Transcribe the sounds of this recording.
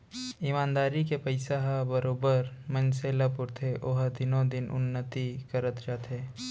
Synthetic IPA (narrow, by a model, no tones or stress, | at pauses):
imãːnd̪aːɾikepɐɪsaɦabɐɾoːbəɾmɐ̃nseːlɐpʊɾt̪ʰeʔoɦd̪ɪnõd̪ɪnʔʊ̰nːət̪ikɐɾət̪d͡ʒaːt̪ɦɛː